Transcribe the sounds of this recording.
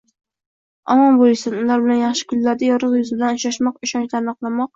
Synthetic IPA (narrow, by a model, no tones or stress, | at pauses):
ɒmɒmbolˠɪsad̪ʊlˠaɾbɪlanjɑχʃɪ̥kʰʲʊllːaɾd̪ajɒɾɨqjʊzɪbɪd̪lanɪʃaʃmɒqɪʃɒnʃaɾnqlˠamɒq̚